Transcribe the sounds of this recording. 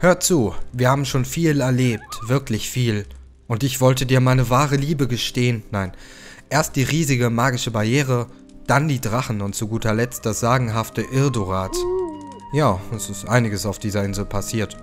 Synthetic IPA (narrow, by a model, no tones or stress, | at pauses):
høːɐtt͡suːviːɐhaːbm̩ʃoːnfiːlɛɐleːp̚tv̥ɪɐklɪçfiːl | ʔʊntɪçv̥ɔltədiːɐmaɪnəvaːʁ̞əliːbəɡəʃteːənːaɪn | ʔeːɐst̚d̥iːʁiːzɪɡəmaːɡɪʃəbaɐjeːʁ̞ə | d̥andiːdʁaχn̩ʊntt͡suɡuːtʰɐlɛt͡std̥asz̥aːɡŋ̩ɦaftəʔɪɐdoʁaːt | jaːɛsɪstʔaɪnɪɡəsaʊfd̥iːzɐɪnzl̩pʰasiːɐt